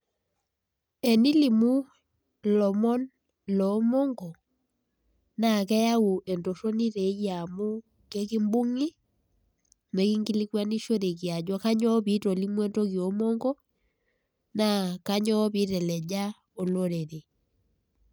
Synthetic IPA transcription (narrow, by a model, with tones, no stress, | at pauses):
e˨ni˦li˨mu˦ | lɔ˨mɔ˦n | lɔ˨˦mo˦ŋɡɔ˨ | na˨kɛ˦ja˦u˨ʔe˨nto˨ʃo˦ni˦ɾe˨˦ja˨mu˦ | ke˦ki˦mbu˦ŋi˦ | me˨ki˦ŋɡi˦li˦kwa˦ni˦ʃo˦ɾe˨kji˨a˨d͡ʒwa˦ka˦ɲɔ˦βi˦to˨li˦mu˦e˦nto˦ki˨o˨˦mo˦ŋɡɔ˦ | na˦˨ka˦ɲɔ˦βi˦ɾɛ˨lɛ˨d͡ʒa˦ | o˨lo˦ɾe˨ɾe˨